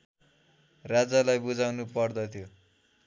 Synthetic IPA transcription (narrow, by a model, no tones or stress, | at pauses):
rad͡zalajbud͡zawnupʌrd̪ʌt̪ʰjo